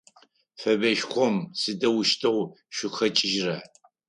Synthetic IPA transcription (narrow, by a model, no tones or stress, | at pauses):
fɐbɐʃxʷɔmsɨdɐwʃtʰɨwʷ | ʃʷʊxɐt͡ʃʼɪʒrɐ